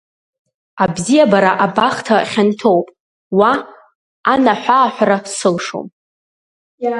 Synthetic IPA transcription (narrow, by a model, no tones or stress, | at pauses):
abzijabaɾaʔabaχtʰaχʲantʰo̞wpʼ | waː | naħʷaːħʷᶣarasɨlʂo̰m